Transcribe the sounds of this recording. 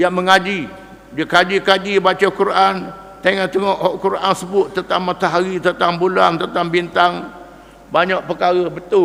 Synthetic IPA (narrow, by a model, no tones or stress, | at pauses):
jaŋməŋad͡ʒi | d͡ʒəkad͡ʒikad͡ʒibat͡ʃakuɾʔan | t̪eŋaʔt̪əŋɔʔhɔʔkuɾʔa̰nsəbʊt̪̚t̪ːənt̪aŋmat̪aɦaɾit̪ənt̪aŋbulant̪ənt̪aŋbint̪aŋ | baɲaʔ̚pəkaɾəbət̪ʊ